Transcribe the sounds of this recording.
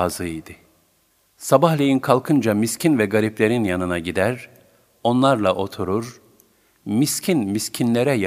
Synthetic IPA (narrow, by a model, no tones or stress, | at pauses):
azɯid̪ɪ | sabahlʲejinkʰalˠkʰɯnd͡ʒamiscʰinvɛɡaɾiplʲe̞ɾinjanɯnaɟid̪æɾ | o̞nlˠaɾlˠaʔo̞t̪ʰuɾuɾ | miscʰinmiscʰinlʲe̞ɾɛj